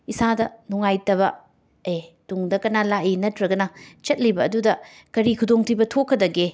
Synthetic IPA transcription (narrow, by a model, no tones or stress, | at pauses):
isadɐnuŋajtɐβɐ | ejtuŋdɐkɐnalaʔinɐtʰɾɐɡɐnɐt͡ʃɐt̚libɐːdudɐ | kɐɾikʰudoŋtʰibɐtʰokʰːɐdɐɡe